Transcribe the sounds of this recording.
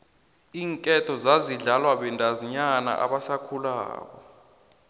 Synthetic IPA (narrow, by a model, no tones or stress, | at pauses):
iːŋkʼɛtʰɔzaziɮalwaɓɛndʱaziɲana̰ʔa̰ɓasakʰula̰ːk̬ɔ̰